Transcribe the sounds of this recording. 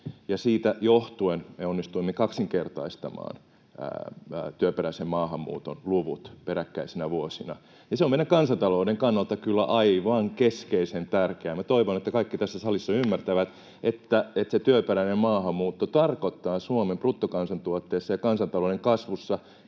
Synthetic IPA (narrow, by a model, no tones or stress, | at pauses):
jɑsiːt̪æjoht̪uenmeonːist̪uimːekɑksiŋkert̪ɑ̰ist̪ɑ̰mɑ̰ːn̰ | t̪yøpeɾæisemmɑːhɑmːṵːt̪o̰nluʋṵt̪peɾækːæisinæʋuosinɑ̰ | niseomeiɾækɑnsɑnt̪ɑloudeŋkɑnːɑlt̪ɑkylːæ̰ʔɑiʋɑːŋkeskeisent̪ærkeæːmæt̪oiʋonet̪ːækɑikːit̪æsːæsɑlisːɑymːært̪æʋæt̪ | et̪ːæet̪set̪yøpeɾæinemmɑːhɑmmuːt̪ːot̪ɑrkot̪ːɑːsuomemprut̪ːokɑnsɑnt̪uot̪ːeːsːɑjɑkɑnsɑnt̪ɑloːeŋkɑsʋusːɑ